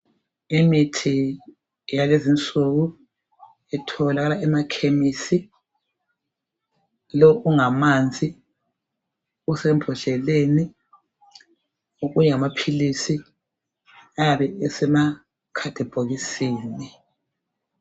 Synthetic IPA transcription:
imitʰi | jalezint͡sʼuɣu | ɛtʰɔlaɣalaɛmakʰemisi | lɔʔuŋamand͡zʱi | usɛmbʱɔʃɛleni | uɣujɛŋamapʰilisi | ajaβɛɛsɛma | kʰad̥ʱib̥ʱoɣisiːni

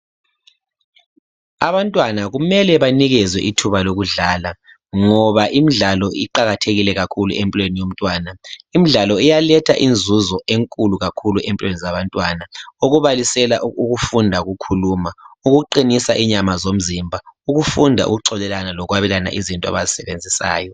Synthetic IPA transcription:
a̰βantʼwanaɣumɛlɛβaniɣɛzwɛ̰ʔitʰuβaloɣuɮaːla | ŋɔβaʔimiɮalɔʔḭǃaɣatʰeɣilɛɣakʰulṵʔempʼilɔwenijom̩tʼwaːnaimiɮalɔɛjalɛtʰa̰ʔind͡zʱuzɔʔeŋkʼuluɣakʰuluʔempʼilɔwenizaβantʼwanaoɣuβalisɛlauɣufundʱauɣukʰuluːmauɣuǃinisaʔiɲamazom̩zimbʱauɣufundʱa̰ṵɣuǀɔlɛlanalɔɣwaβɛlana̰ʔizintʼɔa̰βazisɛβend͡zʱisa̰ːjɔ

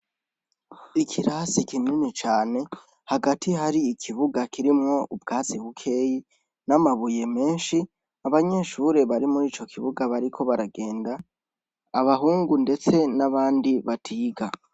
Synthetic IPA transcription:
ikʰiɾasikininit͡ʃaːne̞ | haɡatʰiɦaɾiːkʰiβuɡakʰiɾimŋo̞ʔubɡaːziβukʰe̞ːji | namaβuje̞me̞ːnʃi | aβaɲe̞ʃuːɾe̞βaɾimuɾiːt͡ʃo̞kʰiβuɡaβaɾikʰo̞βaɾaɡe̞ːndaː | βaɦuːŋɡunde̞t͡se̞naβaːndiβatʰiːɡa

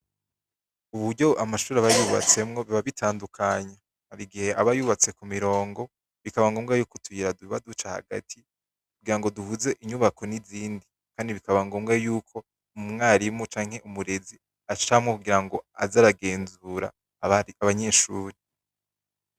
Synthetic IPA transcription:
uβuɾɟo̞ʔamaʃuːɾaβajuβa̰t͡se̞mŋo̞βiβaβitʰaːndukʰaɲa | haɾiɡihe̞ʔaβajuβat͡se̞kumiɾo̞ːŋɡo̞ | βikaβaŋɡo̞ːmɡajuːkotʰujiɾaduiβadut͡ʃaha̰ɡa̰tʰi | kuɡiɾaŋɡo̞duhuze̞ʔiɲuβakʰo̞niziːndi | kaːndiβikaβaŋɡoːmɡajuːkʰo̞ | ummŋaːɾimut͡ʃaːŋhe̞ʔumuɾe̞zi | aʃamŋokuɡiɾaŋɡo̞a̰zaɾaɡe̞ːnzuɾa̰ | aβaɲe̞ːʃuːɾe

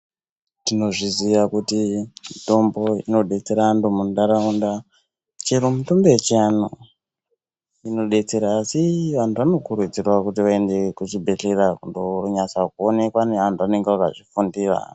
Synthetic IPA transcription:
tino̞ʐiziʋakutimito̞mbo̞ino̞ɗe̞t͡se̞ɾandomundaɾaunda | t͡ʃeɾomutombeet͡ʃano | ino̞ɗe̞t͡se̞ɾaːsiʋantʰuʋano̞kuɾud͡zirwakutiʋae̞nde̞kut͡ʃibʱe̞ɬerakundoruɲasakuone̞kwaneʋantʰuʋane̞ŋɡeʋakaʐifundiːra̰

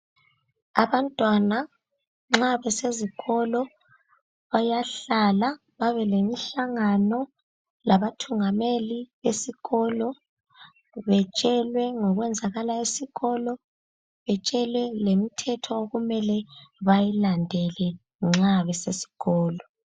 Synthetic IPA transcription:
aβantʼwana | ŋ͡ǁaβɛseziɣɔlɔ | βajaɬala | βaβɛlemiɬaŋanɔ | laβatʰuŋameliβesiɣɔlɔ | βɛt͡ʃʼɛlwɛŋɔɣwɛnd͡zʱaɣalaisiɣɔlɔ | βɛt͡ʃʼɛlwɛlemitʰɛtʰɔoɣumɛlɛβajilandʱɛlɛ | ŋ͡ǁaβɛsesi̥ɣɔːlɔ

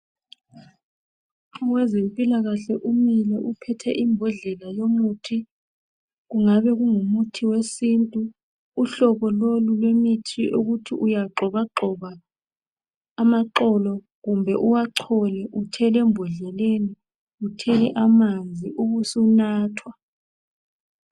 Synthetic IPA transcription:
wɛzempʼilaɣaɬɛʔumilɛʔupʰɛtʰɛʔimbʱɔɮɛlajomutʰi | ɣuŋaβɛɣuŋumutʰiwesintʼuː | ɬɔβɔlolulwemitʰiʔuɣutʰiʔujaǃʱɔβaǃɔβa | maǃɔlɔ | ɣumbʱɛʔuwaǁʰɔlɛʔutʰɛlɛmbʱɔɮɛleni | utʰɛliʔamand͡zʱiʔuɣusunaːtʰwa

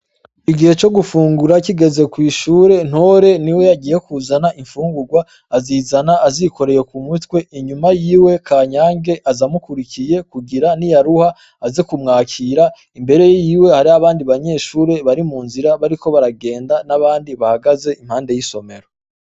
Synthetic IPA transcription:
iɡihe̞t͡ʃo̞ɡufuːŋɡuɾakiɡe̞ze̞kwiːʃuːɾe̞n̥hoːɾe̞niwe̞jaɡiːje̞kuzanaʔiɱfuːŋɡuɡwaː | ziːzanaːziko̞ɾe̞je̞kumutwe̞ʔiɲumajiːwe̞kʰaːɲaːŋɡe̞ʔazamukuɾikije̞kuɡiɾanijaɾuha | azekumŋaːkʰiɾa | imbe̞ɾe̞jjiːwe̞haɾiaβaːndiβaɲe̞ːʃuːɾe̞βaɾimuːnziɾaβaɾiko̞βaɾaɡe̞ːndanaβaːndiβahaɡaze̞ʔimhaːnde̞jiso̞me̞ɾo

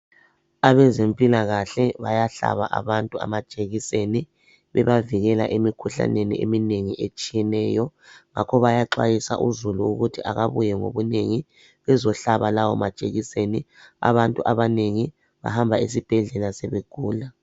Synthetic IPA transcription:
aβɛzempʼilaɣaɬɛβajaɬa̰βa̰ʔa̰βantʼua̰mḁʒ̥ʱʼeɣiseni | βɛβaviɣɛla̰ʔemikʰuɬa̰nenḭemineŋiʔet͡ʃʼijɛnɛːjɔŋakʰɔβajaǃwa̰jisa̰ʔuzuluuɣutʰiʔaɣaβujɛŋo̰βuneŋi | βɛzɔɬaβalawɔmad̥ʒ̥ʼʱeɣisenia̰βantʼuʔaβaneŋi | βa̰hambʱais̬ib̥ʱɛɮɛlasɛβeɡ̥ʱuːla

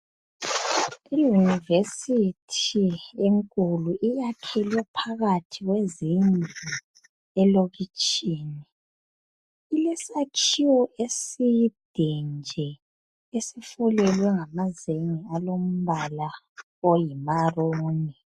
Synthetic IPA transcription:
ijunivesitʰieŋkʼuluʔijakʰɛlɛpʰaɣatʰiɣwezind͡ɮʱu | ɛloɣit͡ʃʼiːni | ilɛsakʰiwɔʔesid̥ʱind͡ʒʱɛ | esifulɛlwɛŋamazeŋialom̩βala | ojimaroːni

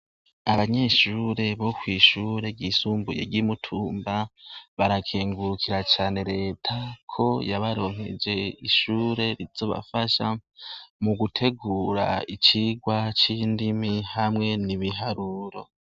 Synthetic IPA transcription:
aβaɲe̞ʃuːɾe̞βo̞kwiːʃuːɾe̞ɟisuːmbujḛɟimutʰuːmbaβaɾakʰeːŋɡuɾukʰiɾat͡ʃaːne̞ɾe̞ːtʰakʰo̞jaβaɾo̞ːŋ̥e̞̰d͡ʒe̞iʃuːɾe̞ɾiz̥o̞βa̰faʃa | muɡutʰe̞ɡuːɾa̰it͡ʃiɡwat͡ʃiːndimihamŋe̞niβiɦaɾuɾo̞

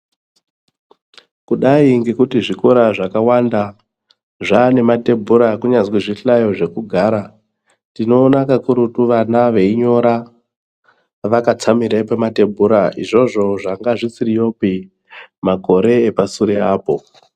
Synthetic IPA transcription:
kuɗaiŋɡe̞kutiʐikoɾaʐakawanda | ʐane̞mate̞bʱuɾakuɲazwiʐiɬajo̞ʐe̞kuɡʱaːɾa | tino̞ːnakakuɾutuʋanaʋe̞iɲo̞ɾa | ʋakat͡samiɾapemate̞bʱuɾaiʐo̞ʐo̞ʐaŋɡaʐisirijo̞pi | mako̞ɾe̞ːpasuɾeaːpo̞

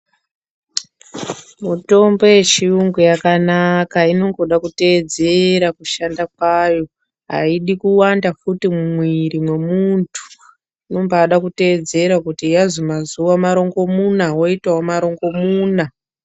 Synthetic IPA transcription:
muto̞mbo̞je̞t͡ʃiuŋɡujakanakaino̞ŋɡo̞ɗakute̞ːd͡ze̞ɾakuʃandak̚wajo̞ | ɦa̰iɗikuwandafutimumwiɾimwe̞muntʰu̥ | no̞mbaːɗakute̞d͡ze̞ɾakutiazomazuwamaɾo̞ŋɡo̞munawo̞itawamaɾo̞ŋɡo̞muːna

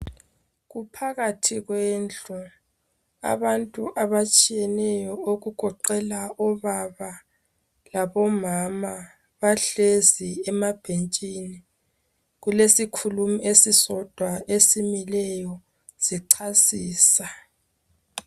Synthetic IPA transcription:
ɣupʰaɣatʰiɣweːnt͡ɬu | a̰βantʼuʔaβat͡ʃʼijɛnɛjɔoɣuɡ̥ʱɔǃɛlaʔɔβaβa | laβɔmama | βaɬeziɛmab̥ʱent͡ʃʼini | ɣulesikʰulumesisɔd̥ʱwaʔesimilɛjɔ | z̥iǀʰasiːsa

